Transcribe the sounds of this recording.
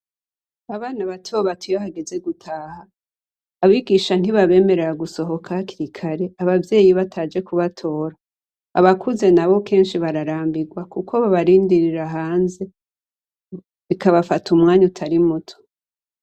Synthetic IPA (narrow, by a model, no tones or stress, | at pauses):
aβaːnaβatʰoːβatʰujahaɡe̞ze̞ɡutʰaːhaː | βiɡiːʃan̥iβaβe̞ːme̞ɾeɾaɡuso̞ɦo̞kʰaakiɾikʰaɾe̞aβavje̞ːjiβatʰaːd͡ʒe̞kuβatʰo̞ːɾa̰ː | βakʰuze̞naβo̞kʰe̞ːnʃiβaɾaɾaːmbiɡwakukʰo̞βaβaɾiːndiɾiɾaɦaːnze̞ | βikaβafatumŋaːɲutʰaɾimutʰo̥